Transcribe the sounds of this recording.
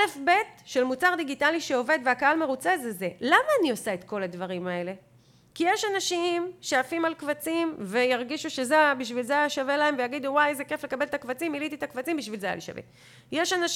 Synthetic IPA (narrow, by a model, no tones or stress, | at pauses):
lefbe̞tʃe̞lmut͡saʁd̪iɡitaliʃeo̞ve̞d̪veakaalme̞ʁut͡se̞zeze̞lamaːniosae̞t̪ko̞ladvaʁimae̞le̞ | kijeʃanaʃimʃeafimalkvat͡simve̞jaʁɡiʃuʃezebiʃ̬vilzeajaʃavelae̞mvejaɡid̪uwajezeke̞fle̞kabelt̪akvat͡similit̪it̪akvat͡simbiʃvilzeaja̰la̰ʃa̰vḛ | jeʃanaʃ